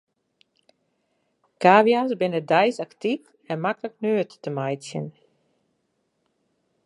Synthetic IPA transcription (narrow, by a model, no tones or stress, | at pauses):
kaːʋjasbɪnədɛjsaktif | ɛnmakələknøːəttəmajtsjə̰n